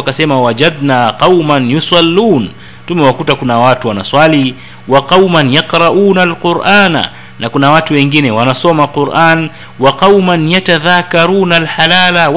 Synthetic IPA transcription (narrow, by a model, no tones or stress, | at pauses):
kasɛmawad͡ʒad̪̚naːqɑwmanjusɑlːuːn | tumɛwakutakunawatuwana̰swali | waqɑwmanjaqɾɑʔuːnalqʊɾʔaːna̰ | nakunawatuwɛŋɡinɛwanasɔmaquɾʔaːn | waqɑwmanjataðakaɾuːnalħalaːla